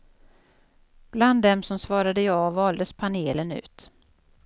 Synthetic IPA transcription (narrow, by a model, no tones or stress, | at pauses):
b̥land̪ːɛmsɔmsvɑːɾad̪əjɑːvɑːld̪əspʰaneːlənʉ̟̰ːt̪